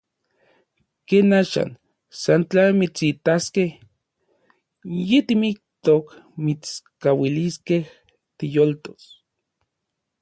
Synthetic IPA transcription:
keːnaːʃa̰n | sant͡ɬamit͡sit̪askeh | jet̪imik̚t̪okmit͡skawiliskeh | t̪ijolt̪o̥s

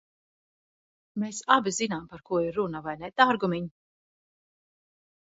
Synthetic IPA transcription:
meːsabizinampaɾkuɔiɾːunavajnɛt̪aːɾɡumiɲ

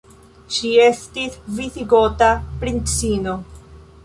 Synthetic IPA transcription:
ʃie̞stisvisiɡo̞tapɾint͡sino̞

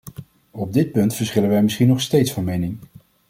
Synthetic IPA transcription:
ɔb̚dɪt̚pɵntfəɹsχɪlənʋɛjmɪsχinɔχstejtsfɑnmejnɪŋ

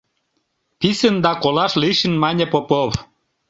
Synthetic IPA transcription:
pisənd̪ɑkolɑʃliʃə̆nmɑnʲepopoβ

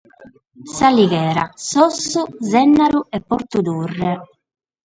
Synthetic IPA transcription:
saliɣɛːɾa̰sɔsːuzɛnːaɾuɛpːoɾt̪ud̪urːɛ

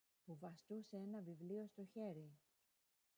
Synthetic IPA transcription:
puvɐst̪useenɐvivlio̞st̪o̞çe̞ɾi

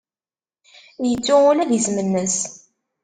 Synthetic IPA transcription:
jət͡sːʊʊlæðəzmənːəs

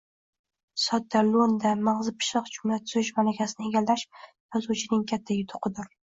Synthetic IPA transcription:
sɒt̪̚ːalond̪amaʁzɪpʰɪ̥ʃɨqd͡ʒʊmlat̪ʰʊzɪʃmalakʲʰasɪnɪeɡʲalːaʃ | jɒzuwt͡ʃʰɪnɪŋkʲʰat̪ʰːajʊt̪ʰʊ̥qʰɨd̪ʊɾ

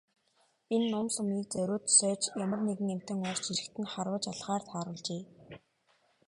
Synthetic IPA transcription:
enːʊmsʊmiːk̚t͡sœɾʲʊːt̪sœːt͡ɕjamə̆rneɣɘ̆ŋem̥t̪ɘ̆ŋɔr̥t͡ɕiɾɘ̆kt̪ʰɘ̆nχaɾwə̆t͡ɕaɮχaːrt̪ʰaːɾʊːɮt͡ɕeː

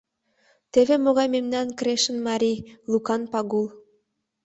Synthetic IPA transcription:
t̪eβʲemoɣɑjmemnɑnkɾʲeʃə̆nmɑɾʲijlˠukɑnpɑɣulˠ

